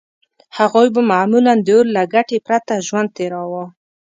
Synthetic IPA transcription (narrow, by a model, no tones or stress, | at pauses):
haɣojbamamuland̪əoɾlaɡaʈepɾat̪aʒwand̪̚t̪eɾɑwa